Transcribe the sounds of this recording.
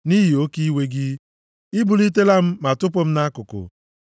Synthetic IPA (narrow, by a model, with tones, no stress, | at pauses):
ni˦ɦi˨o˦ki˦we˦ɡɪ˦ | i˦bu˨li˦t̬e˦la˦m̩˦ma˨tʊ˦pʊ˦m̩˦na˦kʊ˨kʊ̰˨